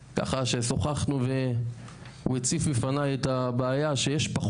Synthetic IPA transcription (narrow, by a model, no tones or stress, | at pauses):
ka̰χaʃeso̞χaχnuve̞ | uet͡sifbifanajet̪abaːjaʃe̞jeʃpaχ